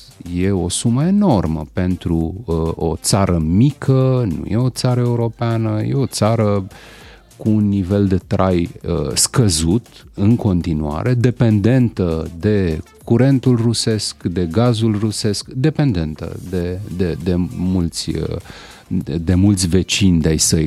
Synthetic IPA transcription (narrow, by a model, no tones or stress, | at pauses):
je̞o̞suməe̞no̞rmə̰pe̞nt̪ɾuot̪saɾəmikʰənṵje̞o̞t̪saɾəe̞uɾo̞peanəje̞̰o̞t̪saɾə | kuːnːive̞ld̪e̞t̪ɾʔajəskəzut̪ɨŋko̞nt̪inua̰ɾe̞d̪e̞pe̞nd̪e̞nt̪əd̪e̞kuɾe̞nt̪ulruse̞skd̪e̞ɡazulruse̞skd̪e̞pe̞nd̪e̞nt̪ə̰d̪e̞d̪ed̪e̞mult̪sʲə | d̪e̞mult̪sʲve̞t͡ʃinʲd̪eajsəj